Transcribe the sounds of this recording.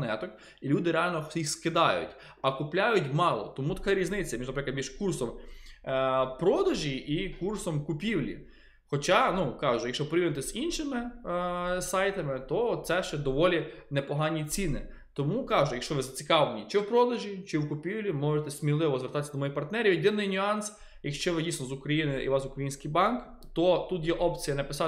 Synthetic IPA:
nɛt̪ɔk | ilʲud̪ɪɾeɑlʲnɔjixskɪd̪ɑjʊ̰tʲ | ɐkʊplʲajʊtʲmɑlˠɔ̰t̪ɔmut̪ɐ̥kɑɾʲiznɪt͡sʲːɐmiʒnɐpɾɪklˠɐd̪miʒkursɔm | pɾɔd̪ɐʒiikursɔmkʊpʲiwlʲḭ | xɔt͡ʃɑnukɑʒʊjɐkʃɔpɾɪiʋnet̪ɛzinʃɪmɪ | sɑjt̪ɐmɪt̪ɔt̪sɛʃt͡ʃɛd̪ɔʋɔlʲinepɔɦɑnʲːit͡sʲinɪ̰ | t̪ɔmukɑʒʊjɐkʃɔʋɪzɐt͡sʲikɑʋlenʲit͡ʃɪwpɾɔd̪ɐʒit͡ʃɪwkʊpʲiwlʲimɔʒet̪ɛsʲmʲilˠɪʋɔzʋʲerɾt̪ɑt̪sʲɐd̪ɔmɔjipɐrt̪nɛɾʲiʋid̪ɪnːɪjnʲʊɑns | jɐkʃt͡ʃɔʋɪdʲijsnɔzʊkɾɐjinɪʔḭʋɑsʊkɾɐjinʲsʲkɪjbɑnk | t̪ɔt̪ut̪jɛʔɔpt͡sʲijɐnɐpɪsɑ

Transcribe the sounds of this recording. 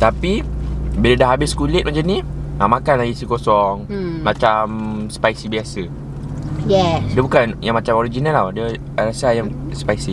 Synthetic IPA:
t̪apibilədaɦabɪskulɪt̪̚mat͡ʃaniamakanlajisikosɔŋmat͡ʃamspaisibiasə | jɛdiəbukanjaŋmat͡ʃamoɾid͡ʒinaladiə | aɾasajaŋspaisi

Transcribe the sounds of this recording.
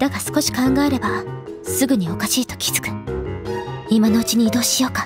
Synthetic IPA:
d̪̥aɡasɨ̥ko̞ɕi̥kãŋɡaeɾe̞basɨɡɯ̟ɲ̟io̞kaɕiːt̪o̞̥kʲi̥z̥ɨ̥kɯ̟̥ | imano̞ɯ̟t͡ɕiɲ̟iːd̪o̞ːɕijo̞ːka

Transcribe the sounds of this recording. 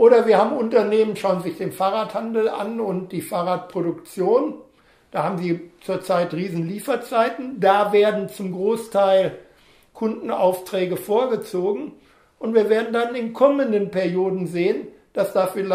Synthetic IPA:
ʔoːɾɐviːɐhaːbm̩ʊntɐneːmənʃaʊənzɪçd̥eːnfaːʁaːthandl̩ʔa̰nʊnt̚d̥iːfaːʁaːt̚pʁ̥oɾʊkt͡sjoːn | d̥aːhaːbm̩ziːt͡suːɐt͡saɪtʁiːzn̩liːfɐt͡saɪtn̩daːveːɐdn̩t͡sʊmɡʁoːstʰaɪl | kʰʊndn̩a̰ʊftʁ̥ɛːɡəfoːɐɡət͡soːɡŋ̩ | ʔʊntv̥iːɐveːɐdn̩danɪnkʰɔməndənpɛɐjoːdn̩zeːən | d̥asd̥aːfil

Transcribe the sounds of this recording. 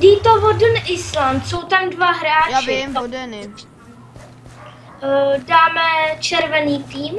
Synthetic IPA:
diːt̪ovodənʔɪslant̪sowt̪amdvaɦɾaːt͡ʃɪ | daːmɛt͡ʃɛɾvɛniːt̪iːm

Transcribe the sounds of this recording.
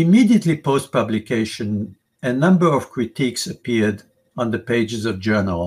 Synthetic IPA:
imidiət̪lipoʊst̚pʌblikeɪʃɨ̃n | ɨnʌ̃mbə˞ɔv̥kʰɹit̪ʰiksəpiɹd | ɔ̃nðəpeɪd͡ʒɨzɔvd͡ʒɜ˞nə̰lˠ

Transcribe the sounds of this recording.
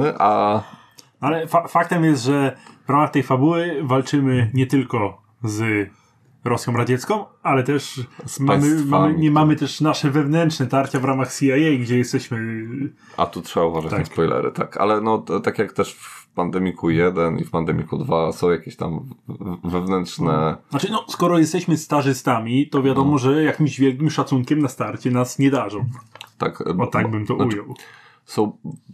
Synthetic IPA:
ʔa | nɔalɛfafak̚t̪ɛmjɛst̪ʐɛvɾamaxt̪ɛjfabuwɘvalt͡ʂɘmɘɲɛt̪ɘlkɔ | z | ɾɔsʲjɔ̃w̃ɾad͡ʑɛt̪skɔ̃w̃alɛt̪ɛʂsmmɘmaɲɛmamɘt̪ɛʂnaʂɛvɛvnɛntʂnɛt̪aɾt͡ɕavɾamaxsʲiajɛjɡd͡ʑɛjɛst̪ɛɕmɘ | ʔa̰t̪utʂɛbauvaʐat͡ɕ̪t̪anaspɔjlɛ̰ɾɘ̰t̪a̰ka̰lɛnɔt̪akʲjakt̪ɛʂfpand̪ɛmʲikʰujɛd̪ɛnḭfpand̪ɛmʲikud̪vasɔ̃w̃jakʲeɕt̪a̰m | vɛvnɛntʂnɛnat͡ʂɘnɔskɔɾɔjɛst̪ɛɕmɘst̪aʐɘst̪amʲit̪ɔvʲjad̪ɔmɔʐɛjakʲimʑvʲjɛlk̬ʲimʂat̪suŋkʲɛmnast̪aɾt͡ɕɛnasɲɛd̪aʐɔ̃w̃t̪a̰kɔt̪aɡ̚bɘmt̪ɔujɔw | sɔ̃w̃

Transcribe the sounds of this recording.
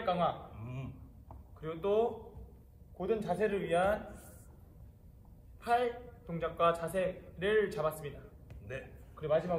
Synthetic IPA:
ɭk͈aŋa | kɯɾiɡot͈o | kodɯnt͡ɕasʰe̞ɾɯɭɥiɦan | pʰaɭtoŋd͡ʑak̚k͈wat͡ɕasʰe̞ɾɯɭt͡ɕabas͈ɯmɲidanekɯɾiɡomad͡ʑʰimɦaɡ

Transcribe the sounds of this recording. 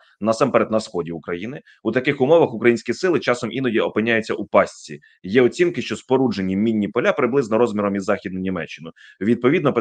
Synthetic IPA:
nɐsɑmpɛɾɛd̪nɐsxɔdʲiʊkɾɐjinɪ | ut̪ɐkɪxʊmɔʋɐxʊkɾɐjinʲsʲkʲisɪlˠɪt͡ʃɑsɔmʔinɔdʲiɔpɪnʲːajʊt͡sʲːɐʔupɑsʲt͡sʲḭ | jɛɔt͡sʲimkɪʃt͡ʃɔspɔɾud͡ʒenʲːimʲinʲːipɔlʲapɾɪblˠɪznɔɾɔzmʲiɾɔmizːɑxʲid̪̚nɐnʲimɛt͡ʃːɪnʊ | ʋʲid̪̚pɔʋʲid̪nɔp

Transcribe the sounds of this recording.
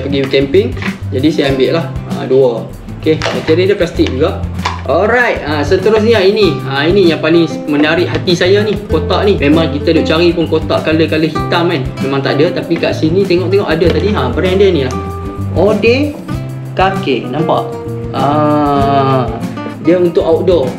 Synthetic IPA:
pəɡiukɛmpɪŋd͡ʒadisajambɪʔlaha̰duə | okeok̪iɾidəplast̪ɪk̚d͡ʒuɡaʔɔlɾajt̚asət̪əɾʊs̬ɲainiainijaŋpali | mənaɾɪʔɦat̪isajanikot̪aʔnimẽmãŋkit̪adoʔt͡ʃaɾipʊnkot̪aʔkaləkaləhit̪amanmemãŋt̪a̰ʔadət̪apikaʔsinit̪eŋɔʔt̪eŋɔʔadət̪adiapəɾaŋãdənĩlah | odɛ | kakenãmpaʔ | a | diəunt̪ʊkawt̚dɔ

